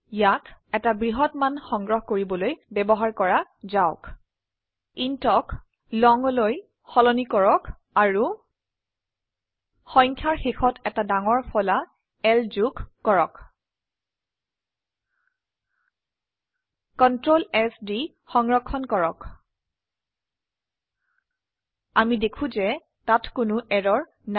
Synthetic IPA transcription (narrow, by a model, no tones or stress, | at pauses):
jatɛtabɹiɦɔtmanxɔŋɡɹɔɦkoɹibɔlojbɛbɔɦaɹkɔɹazaʊk | intɔk | lɔŋloj | xɔlɔnikɔɹɔk | aɹu | xɔŋkʰjaɹxexɔtɛtadaŋɔɹfʰɔla | ɛlzukːɔɹɔk | kɔntɹolɛsdi | xɔŋɹɔkʰːɔnkɔɹɔk | amidekʰũzɛ | tatkʊnʊʔɛɹɔɹ | n